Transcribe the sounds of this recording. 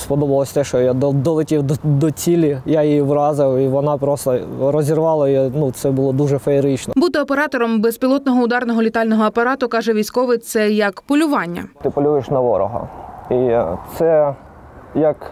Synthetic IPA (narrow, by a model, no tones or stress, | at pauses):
spɔd̪ɔbɐlˠɔsʲt̪ɛʃt͡ʃɔjad̪ɔd̪ɔlˠɛtʲiwd̪d̪ɔt͡sʲilʲijajijiʋrɑzɪwiʋɔnɑpɾɔst̪ɐɾɔzʲirʋɑlˠɐjinut̪sɛbʊlˠɔd̪uʒɛfɐeɾɪt͡ʃnɔbut̪ɪɔpeɾɑt̪ɔɾɔmbɛspʲilˠɔt̪nɔɦɔʊd̪ɑrnɔɦɔlʲit̪ɑlʲnɔɦɔɐpɐɾɑt̪ʊkɑʒɛʋʲijsʲkɔʋɪt̪sɛjɐkpɔlʲʊʋɑnʲːɐ̰t̪ɪpɔlʲujɪʃnɐʋɔ̰ɾɔ̰ɦɐ̰it̪sɛ | jɐk